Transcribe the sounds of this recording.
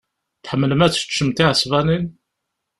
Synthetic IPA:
θħəmːələmæt͡sːə̥t͡ʃːəmt̪iʕəsvænin

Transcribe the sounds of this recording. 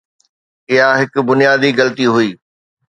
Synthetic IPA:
ɪɦaɦɪkʊ̆bʊnijaːd̪iɣɐlət̪iɦʊiː

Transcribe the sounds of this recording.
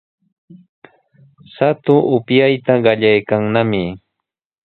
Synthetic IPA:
sat̪ʊʔʊpjajt̪aɢɑʎajkaŋnamɪ

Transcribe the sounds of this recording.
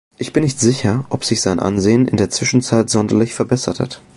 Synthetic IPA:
ʔɪçb̥ɪnːɪçtz̥ɪçɐʔɔpz̥ɪçz̥aɪnʔa̰nzeːənɪndeːɐt͡sv̥ɪʃn̩t͡saɪtz̥ɔndɐlɪçfɛɐbɛsɐtha̰t

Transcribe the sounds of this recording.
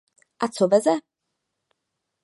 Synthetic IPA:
ʔat͡sovɛzɛ

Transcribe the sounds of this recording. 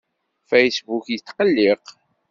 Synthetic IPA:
fejsbukjət͡sːqəlːiq

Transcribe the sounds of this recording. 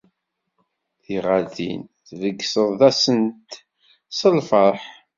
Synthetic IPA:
θiʁaɾðḭnθvəɡːsəðˤðæsənt̪ | səlfəɾˤħ

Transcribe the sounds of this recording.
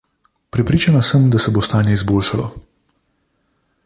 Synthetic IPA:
pɾɛpɾiːt͡ʃanasəmd̪asɛbost̪aːnjɛizboːlʃalɔ

